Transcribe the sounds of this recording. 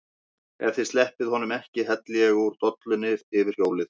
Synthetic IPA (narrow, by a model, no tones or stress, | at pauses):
ɛ̰ɾ̥θɪðst̪ɛhpɪðhɔnːʏmɛhcɪɦɛt̪lɛɛɣuɾ̥t̪ɔt̪lʏnːɪɪvɪɾ̥hjoːwlɪθ